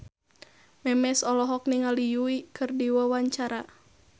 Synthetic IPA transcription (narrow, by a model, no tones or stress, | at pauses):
mɛmɛsɔlɔɦɔk̚niŋalijuikɨrdiwawaɲt͡ʃaɾa